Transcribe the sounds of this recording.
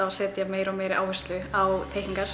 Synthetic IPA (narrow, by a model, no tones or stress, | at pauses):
asɛːt̪jameːjɾɔmeːjɾʔa̰ːwvɛst̪lʏawt̪ʰeːjkiŋkaɾ̥